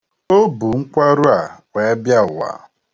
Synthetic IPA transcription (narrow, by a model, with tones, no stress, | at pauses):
o˦bu˨ŋ̩˦kʷa˦ɾu˦a˨wʷe˨˦bja˦ʊ˨wa̰˨